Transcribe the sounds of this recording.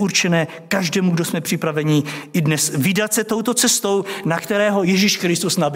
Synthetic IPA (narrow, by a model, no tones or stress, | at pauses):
uɾt͡ʃɛnɛː | kaʒdɛːmuɡdosmɛpr̝̥ɪpɾavɛɲɪʔɪdnɛsvɪdat̪sɛt̪o̞wt̪o̞t͡sɛst̪o̞wnakt̪ɛɾɛːɦo̞jɛʒiʃkɾɪst̪usnab